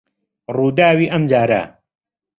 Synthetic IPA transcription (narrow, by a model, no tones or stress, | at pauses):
ruːd̪aːwiːʔɐmd͡ʒaːɾa̰